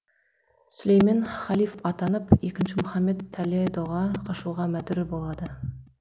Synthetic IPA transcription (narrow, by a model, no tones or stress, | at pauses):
sʊlejmenχɑlˠifɑt̪ɑnəpekʲɪnʃɪmʊχɑmːet̪ʰːæliejd̪oʁɑqʰɑʃuʁɑmæt̪ɪɾɪbolˠɑd̪ə